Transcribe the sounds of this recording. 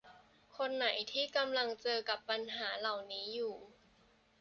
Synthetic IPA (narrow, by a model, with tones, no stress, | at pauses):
kʰo˧nːa˩˦jt̪ʰiː˥˩ka˧mla˧ŋt͡ɕɤː˧ka˨˩pːa˧nɦaː˩˦la˨˩wniː˦˥juː˨˩